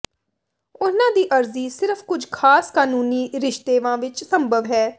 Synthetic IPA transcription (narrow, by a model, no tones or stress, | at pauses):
ʊnãːd̪iːʔəɾziːsɪɾəfʰkʊd͡ʒkʰaːskaːnuːniːɾɪʃt̪eːʋãːʋɪt͡ʃsəmbʱəʋɦɛː